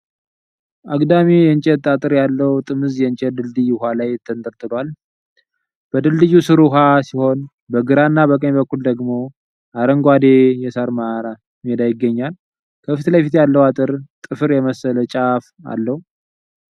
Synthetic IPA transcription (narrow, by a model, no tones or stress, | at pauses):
ʔaɡd̪amijɛnt͡ʃʼɛt̪ʼːat̪ʼɨɾjalːəwt̪ʼɨmɨzjɛnt͡ʃʼɛd̪ɨld̪ɨjuɦʷalajt̪ʰːənt̪ʼəɾt̪ʼɨlal | b̥əd̪ɨldɨjusɨɾuɦasiho̞n | bəɡɨɾanːabəkʼəɲbəkːuld̪əɡmo̞ | ʔaɾəŋɡʷad̪e̞jɛsaɾmaɾa | mjɛd̪ajɪɡːəɲːal | kʰəfit̪lajfit̪jalːəwat̪ʼɨɾt̪ʼɨfɨɾjɛməsələt͡ʃʼafa̰lːəhu